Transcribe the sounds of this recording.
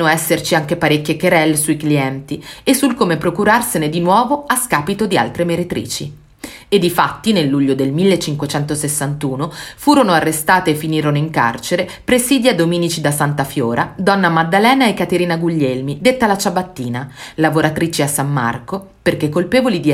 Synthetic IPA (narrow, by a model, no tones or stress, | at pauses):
noɛsːert͡ʃiaŋk̟epaɾekʲːjekeɾɛlːesuikliɛnt̪iesːulkomepɾokuɾarsened̪inwɔːvoaskaːpit̪od̪ia̰lt̪ɾemeɾet̪ɾḭːt͡ʃḭ | ed̪ːifat̪ːinelːuʎːod̪elmilːet͡ʃːiŋkwet͡ʃɛnt̪osesːant̪uːnofuːɾonoarːest̪aːt̪eːfːiniːɾonoiŋka̰rt͡ʃeɾepɾesiːd̪iad̪ːomiːnit͡ʃid̪asant̪afjoːɾʔad̪ɔnːamad̪ːalɛːnaekːat̪eɾiːnaɡuʎːɛlmid̪et̪ːalat͡ʃabat̪ːiːnalavoɾat̪ɾiːt͡ʃiasːamːa̰rko | perk̟ekːolpeːvolid̪i